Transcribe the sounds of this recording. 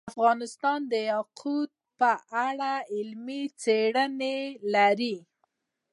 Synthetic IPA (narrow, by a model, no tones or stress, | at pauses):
afɣɑnɪst̪ɑnd̪əjɑqʰud̪̚pəʔaɽaɪlmit͡seɽənelaɾi